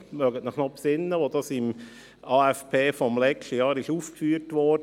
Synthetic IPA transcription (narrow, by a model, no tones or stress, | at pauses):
mœɡətnəχnɔpsɪnːəʋod̪ɑsɪm | ɑːɛfpʰeːfɔmlɛkʃəjɑːɾɪʃuːfkfyːɾtʋɔːd